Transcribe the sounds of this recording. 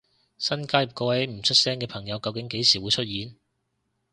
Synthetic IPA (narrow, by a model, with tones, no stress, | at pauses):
sɐ˥nkaː˥jɐ˨˩p̚kɔː˧wɐ˨˥m̩˨˩t͡ʃʰɵ˥t̚sɛː˥ŋkɛː˧pʰɐ˨˩ŋjɐ˨˧wkɐ˧wkɪ˨˥ŋke˨˥jsiː˨˩wuː˨˧jt͡ʃʰɵ˥t̚jiː˨˥n